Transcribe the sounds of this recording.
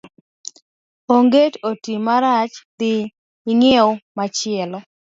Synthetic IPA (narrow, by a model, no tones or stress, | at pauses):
oŋɡetotimaɾat͡ʃt̪ɪ | ɪŋɪʊmat͡ʃɪɛlɔ